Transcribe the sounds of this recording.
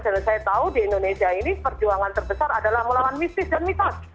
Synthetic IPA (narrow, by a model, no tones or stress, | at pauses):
d͡ʒanasajat̪audiɛndonesiainipərd͡ʒuaŋant̪ərbəsaradalahməlawanmist̪ɪsdanmit̪as